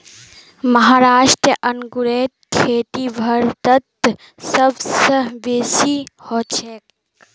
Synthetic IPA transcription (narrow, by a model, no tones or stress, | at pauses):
mɐɦaːɾaːʃʈɾəʔɐnɡuɾeːt̪̚kʰeːʈ̪ibʱɐɾt̪ət̪ | səbsəɦbeːsihoːt͡ʃʰeːk